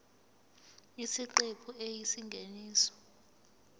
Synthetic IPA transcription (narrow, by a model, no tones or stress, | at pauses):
isiǃepʰuejisiŋɡʱeniːsɔ̥